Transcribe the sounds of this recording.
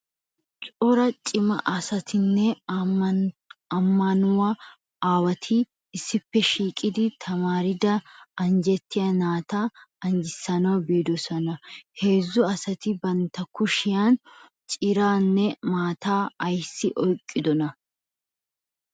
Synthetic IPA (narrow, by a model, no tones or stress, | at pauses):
t͡ʃʼɔɾɐt͡ʃʼɪmɐ̰ʔɐsɐt̪ɪnːɛ | ɐmːɐnʊwa | aːwɐt̪ʰɪː | sːɪpːɛʃiːkʼɪd̪ɪt̪ʰɐmaːɾɪd̪ɐɐnd͡ʒɛt̪ːɪjɐnaːt̪aːɐnd͡ʒɪsːɐnɐwbeːd̪ɔsɔnɐhe̞ːzːʊɐsɐt̪ɪbɐnt̪ɐkʊʃɪjaːn | t͡ʃʼɪɾaːnːɛmaːt̪aːɐjsːɪʔɔjkʼːɪd̪ɔnɐ